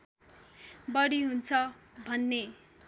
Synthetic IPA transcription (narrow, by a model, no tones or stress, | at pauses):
bʌɽiɦunt͡sʰʌbʱʌnːe